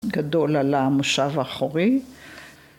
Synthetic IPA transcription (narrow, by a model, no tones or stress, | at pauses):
ɡado̞lalamoʃavaχoʁi